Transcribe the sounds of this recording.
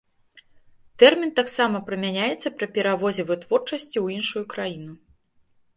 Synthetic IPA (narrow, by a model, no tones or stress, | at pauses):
t̪ɛrmʲint̪aksamɐpɾɨmʲanʲajɛt̪sːɐpɾɨpʲɛɾavɔzʲɛvɨt̪vɔrt͡ʂɐsʲt͡sʲiwinʂujukɾajinu